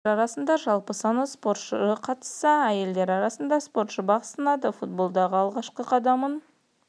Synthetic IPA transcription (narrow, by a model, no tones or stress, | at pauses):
ɾɑɾɑsənd̪ɑʒɑlˠpəsɑnspo̞ɾt̪ʃəɾəqʰɑt̪ə̥sːɑæje̞ld̪eɾɑɾɑsənd̪ɑspo̞ɾt̪ʃəbɑqst̪ɑnɑd̪əfut̪̚bo̞lˠd̪ɑʁəɑlˠʁɑʃqəqʰɑd̪ɑmən